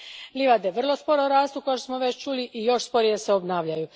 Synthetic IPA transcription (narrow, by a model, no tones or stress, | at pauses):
liʋad̪eʋr̩lˠo̞spo̞ɾoɾaːst̪ukojoʃt̪osmoʋet͡ɕt͡ʃuːliʔijo̞ʃspo̞ɾijeseobnaːʋʎaju